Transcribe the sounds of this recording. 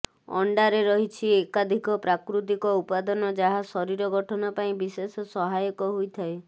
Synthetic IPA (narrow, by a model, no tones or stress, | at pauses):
ɔ̰ɳɖaɾeɾɔɦit͡ʃʰiekad̪ʱikɔpɾakɾut̪ikɔupad̪ɔnɔd͡ʒaɦasɔɾiɾɔɡɔʈʰɔnɔpaĩbisesɔsɔɦajɔkɔɦojt̪ʰae